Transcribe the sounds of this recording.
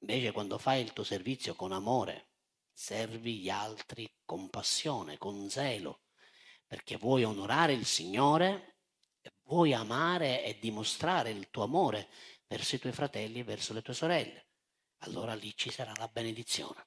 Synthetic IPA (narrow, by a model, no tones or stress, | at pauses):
iɱvɛːt͡ʃekwand̪ofajilt̪uːoservit̪sːjokonamɔːɾḛ | sɛrviʎialt̪ɾikompasːjɔːnḛkonzɛːlʊ̰ | perk̟evːwɔjonoɾaːɾeilsiɲːɔːɾe | ɛvwɔjamaːɾeɛd̪ːimost̪ɾaːɾeilt̪uːamɔːɾevɛrsoit̪wɔjfɾat̪ɛlːiɛvːɛrsolet̪uːesoɾɛlːe | alːo̰ːɾalit͡ʃːisaɾalabened̪it̪sːjɔ̰ːne